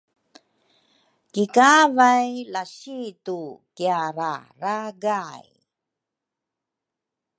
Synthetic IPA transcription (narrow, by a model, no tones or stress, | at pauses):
kikavajlaɕitukiaɾa̰ɾaɡaj